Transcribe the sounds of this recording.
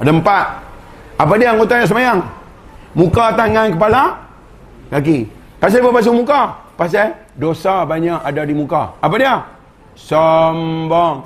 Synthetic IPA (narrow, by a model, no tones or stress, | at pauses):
dəmpat̪̚ | apadiaaŋɡot̪ajasəmajaŋ | mukat̪aŋankəpala | kaki | pas̬ababas̬uŋmukapas̬a | dosabaɲaʔadadimuka̰ap̬adia | sɔmbɔŋ